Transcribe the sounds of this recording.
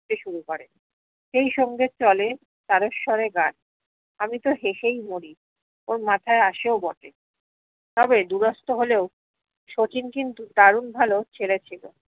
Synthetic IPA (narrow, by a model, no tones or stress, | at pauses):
eʃuɾukɔɾe | ʃejʃɔŋɡet͡ɕɔle | t̪aɾoʃʃɔɾeɡan | amit̪oɦeʃejmoɾi | oɾmat̪ʰaeaʃeobɔʈe | t̪ɔbed̪uɾɔst̪oɦoleo | ʃot͡ɕinkint̪ut̪aɾunbʱalot͡ɕʰelet͡ɕʰilo̰